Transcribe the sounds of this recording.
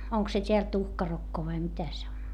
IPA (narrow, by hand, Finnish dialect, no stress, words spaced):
oŋk se tʲeæl tuhkɑrokːo ʋɑi mitæ se on